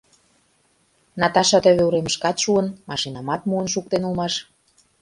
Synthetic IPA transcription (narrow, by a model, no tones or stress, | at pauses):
nɑt̪ɑʃɑt̪ə̆βøuɾemə̆ʃkɑt̪ʃuənmɑʃinɑmɑt̪muənʃuk̚t̪enulmɑʃ